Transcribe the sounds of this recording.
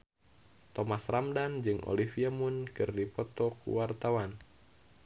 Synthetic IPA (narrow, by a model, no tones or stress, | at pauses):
t̪ɔmasramdand͡ʒɨŋʔo̰lifiamunkɨrdipɔt̪ɔkṵwart̪awan